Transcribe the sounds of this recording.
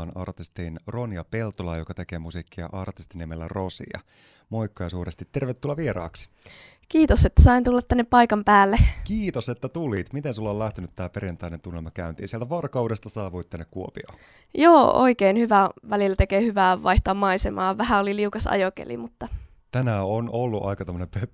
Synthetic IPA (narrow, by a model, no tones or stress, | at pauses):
nɑ̰rt̪ist̪iːnronjɑpe̞lt̪olɑjokɑt̪e̞keːmusikːiɑ̰ʔɑrt̪ist̪inːiemelːæ̰rosḭjɑ̰ | moikːɑjsuːɾest̪it̪ːerʋet̪ːulːɑʋieɾɑ̰ːks | kiːt̪oset̪ːæ̥sɑint̪ulːɑt̪t̪ːænːeppɑikɑmpæːlːekiːt̪oset̪ːæt̪uliːt̪mit̪ensulːɑoːlæht̪enyt̪t̪ːæːpeɾijɑnt̪ɑinent̪unːelmɑkæynt̪ḭːnsielt̪æʋɑrkɑuːdest̪ɑsɑːʋuit̪ːænːekkuopio̰ | joːo̰ikeinhyʋæʋælilːæt̪ekeːhyʋæːʋɑiht̪oɑːmɑisemɑ̰ːʋæhæoliliukɑsɑ̰jokḛlḭmut̪ːɑ | t̪ænæonolːuʔɑikɑt̪omːonempe